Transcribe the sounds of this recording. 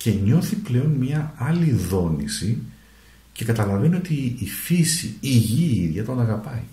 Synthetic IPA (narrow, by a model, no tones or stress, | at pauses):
ce̞ɲo̞θiple̞o̞nmɲɐɐliðo̞nḭsi | ce̞kɐt̪ɐlɐve̞nio̞t̪iːfisiiʝiiðʝɐt̪o̞nɐɣɐpɐi